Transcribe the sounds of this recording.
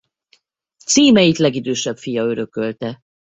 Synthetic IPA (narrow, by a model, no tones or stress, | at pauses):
t̪siːmɛjit̪lɛɡid̪øːʃɛpfijɒø̞ɾø̞kø̞lt̪ɛ